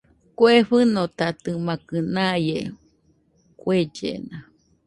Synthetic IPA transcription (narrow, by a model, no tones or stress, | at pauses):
kʷeɸɨnot̪at̪ɨmãkɨnãje | kwed͡ʒḛna